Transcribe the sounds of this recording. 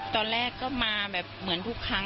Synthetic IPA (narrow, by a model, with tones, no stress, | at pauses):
t̪ɔː˧nɾɛː˥˩kːɔː˥˩maː˧bɛː˨˩p̚mɯ˩˦ənt̪ʰu˦˥˩kʰːa˦˥ŋ